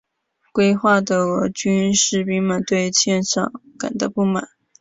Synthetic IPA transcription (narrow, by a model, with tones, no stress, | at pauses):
kwe˥ɪxwa˥˩d̪ə˩ɤ˧˥t͡ɕy˥nʂɻ̩˥˩pi˥ŋmə˨nt̪we˥˧ɪt͡ɕʰjɛ˥˧nʂɑ̰˥˩ŋka̰˨˩nd̪ə˧˥pu˥˩ma̰˨˩˦n